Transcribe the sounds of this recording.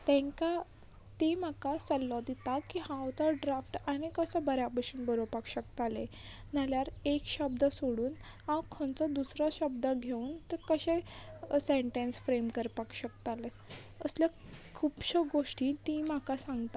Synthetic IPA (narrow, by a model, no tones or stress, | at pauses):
t̪ɛ̃ŋka | t̪emakasəlːɔd̪it̪akihãwt̪ɔɖɾafʈañikəsabəɾjapəɕuːnbəɾopakɕəkt̪ale | naljaɾekɕəb̚d̪əsoɽuːn | ãwkʰɔ̃nt͡sad̪usɾaɕəbd̪əɡʱeuːnt̪əkəɕẽseɳʈẽnsfɾemkəɾpakɕəkt̪ale | əsljakʰupɕəɡoʂʈĩt̪ĩm̤akasãŋɡt̪a